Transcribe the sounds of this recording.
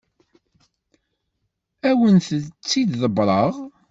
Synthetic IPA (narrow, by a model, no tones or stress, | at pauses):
æwənθət͡sːid̪ðəbɾˤɑʁ